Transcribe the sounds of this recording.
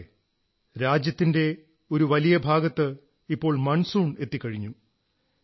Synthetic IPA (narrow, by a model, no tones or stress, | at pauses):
ɾaːd͡ʑjɐt̪ːinde̞ | o̞ɾuʋɐlijɐbʱaːɡɐt̪ːɨ | ipːo̞ːɭmɐɳsuːɳe̞t̪ːikːɐɻiɲːu